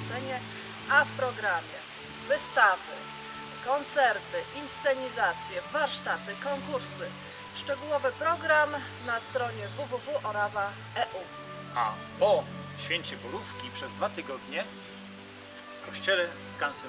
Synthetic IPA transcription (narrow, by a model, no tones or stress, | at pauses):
sɛɲɛ | afpɾɔɡɾamʲjɛ | vɘst̪avɘ̰ | kɔnt̪sɛɾt̪ɘʔinst̪sɛɲizat̪sʲjɛvaɾʂt̪at̪ɘkɔŋkuɾsɘ | ʂt͡ʂɛɡuwɔvɘpɾɔɡɾam | nast̪ɾɔɲɛvuvuvuʔɔɾava | ɛʔu | a̰ | pɔɕfʲjeɲt͡ɕɛbɔlufkʲipʂɛzd̪vat̪ɘɡɔd̪ɲɛ | f | kɔɕt͡ɕɛlɛskansɛ